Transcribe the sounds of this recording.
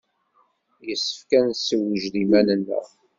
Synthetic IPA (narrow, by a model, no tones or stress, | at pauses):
jəsːə̥fkænsːəwːəʒðimænənːə̰